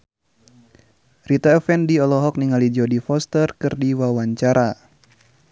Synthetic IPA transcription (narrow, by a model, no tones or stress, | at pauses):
rit̪aɛfɛndiɔlɔɦɔk̚niŋalid͡ʒɔdifɔst̪ərkɨrdiwawaɲt͡ʃaɾʔa